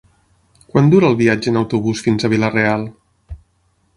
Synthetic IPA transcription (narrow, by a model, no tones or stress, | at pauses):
kwand̪uɾəːlˠβiad͡ʒəːnəwt̪uβusfinzəβilərealˠ